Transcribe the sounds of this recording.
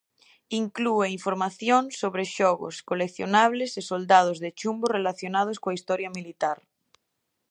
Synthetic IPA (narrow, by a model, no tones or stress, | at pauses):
iŋklueiɱfoɾmaθjonsoβɾeʃoɣo̰skolekθjonaβ̞lesesold̪að̞ozðet͡ʃumborelaθjonað̞oskoaist̪oɾjamilit̪aɾ